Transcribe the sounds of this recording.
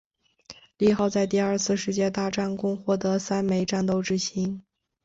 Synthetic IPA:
li˥˧xɑ˥˧ʊt͡sa˥˧ɪt̪i˥˧ɐ˞˥˧t͡sʰɹ̩˥˧ʂɻ̩˥t͡ɕjɛ˥˧t̪a˥˧ʈ͡ʂa˥˩nkʊ˥ŋxwɔ˥˩t̪ɤ˧˥sa˥nme˧˥ɪʈ͡ʂa˥˩nt̪o˥˧ʊʈ͡ʂɻ̩˥ɕi˧˥ŋ

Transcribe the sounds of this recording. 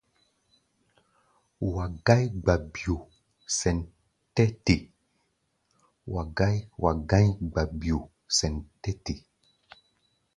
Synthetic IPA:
wa˨ɡa˦jɡ͡ba˨bi˨o˨ | sɛ˨n | tɛ˦te˨ | wa˨ɡa˦jwʔa˨ɡã˦ɲɡ͡ba˨bi˨o˨ | sɛ˨ntɛ˦te˨

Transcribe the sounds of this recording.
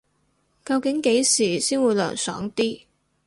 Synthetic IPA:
kɐ˧wkɪ˨˥ŋke˨˥jsiː˨˩siː˥nwuː˨˧jlœ̰ː˨˩ŋsœ̰ː˨˥ŋt̪iː˥

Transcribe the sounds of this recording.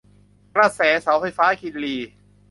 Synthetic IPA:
kɾaː˧˩sɛː˨˩˦sa˩˦wfa˧jfaː˦˥kʰi˧nliː˧˩

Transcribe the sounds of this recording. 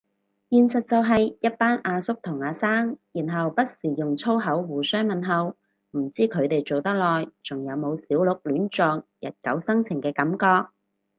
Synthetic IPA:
jiː˨nsɐ˨t̚t͡sɐ˨wɦɐ˨jjɐ˥t̚paː˥nʔaː˧sʊ˥k̚t̪ʰʊ˨˩ŋaː˨˧saː˥ŋjiː˨˩nɦɐ˨wpɐ˥t̚siː˨˩jʊ˨ŋt͡sʰo˥wɦɐ˨˥wwuː˨˩sœː˥ŋmɐ˨nɦɐ˨˧w | m̩˨˩t͡siː˥kʰɵ˨˧ɥt̪e˨jt͡so˨wt̪ɐ˥k̚lɔː˨jt͡sʊ˨ŋjɐ˨˧wmo˨˧wsiː˨˥wlʊ˨k̚lyː˨˥nt͡sɔː˨ŋjɐ̰˨t̚kɐ̰˨˥wsɐ˥ŋt͡sʰɪ˨˩ŋkɛː˧kɐ˨˥mkɔː˧k̚

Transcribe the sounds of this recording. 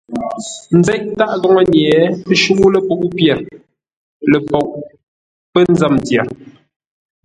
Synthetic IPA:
n̩˨˦zɛ˦ʔ̚ta˦ʔɣɔ˦ŋɔ˦ɲɛː˨˦pə˦ʃu˦ŋu˦lə˦˨po˦˨ʔu˦pjɛ˨ɾ | le˨pɔ˨ʔ̚ | pə˦n̩˦za˦˨mtjɛ˨ɾ

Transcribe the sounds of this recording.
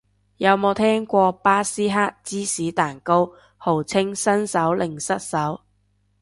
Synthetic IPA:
jɐ˨˧wmo˨˧wt̪ʰɛː˥ŋkʷɔː˧paː˥siː˥ɦaː˥k̚t͡siː˥siː˨˥t̪aː˨˩nko˥w | ho˨˩wt͡sʰɪ˥ŋsɐ˥nsɐ˨˥wlɪ˨˩ŋsɐ˥t̚sɐ˨˥w

